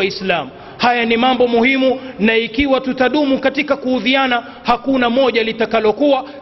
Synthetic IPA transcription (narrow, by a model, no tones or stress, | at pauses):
islamu | hajanimambɔmuhimunaikiwatutaɗumukatikakuhuðiana | hakunamɔʄalitakalɔkua